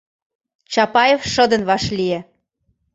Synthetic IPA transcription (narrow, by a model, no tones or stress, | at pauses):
t͡ɕɑpɑjefʃɤ̆d̪ə̆nβɑʃlie